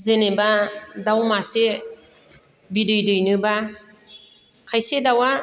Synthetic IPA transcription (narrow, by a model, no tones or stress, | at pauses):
zenebadawmase | bidɯjdɯjnɯba | kʰajsedawa